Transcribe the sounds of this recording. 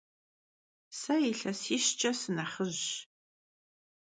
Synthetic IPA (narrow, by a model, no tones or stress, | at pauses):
sɐiɬɐsiːʃt͡ʃʼɐsɨnɐχəʑ